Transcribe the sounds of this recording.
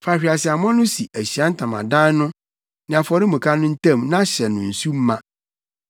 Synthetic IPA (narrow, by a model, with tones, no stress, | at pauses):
fa˨ɕᶣa˨sɪ˨a˨mɔ̃˦nʊ̃˦si˨ʔæ˨ɕi˨a˦n̩˦tʰã˨mã̰˨dã˦n˦nʊ̃˦ | nɪ̃˨a˨fɔ˨ɾɪ˦mũ˨kʰa˦nʊ̃˦n̩˦tʰã˦˨mnã˦ɕɛ˨nʊ̰̃˨n̩˨su˦m̩˦mã˦˨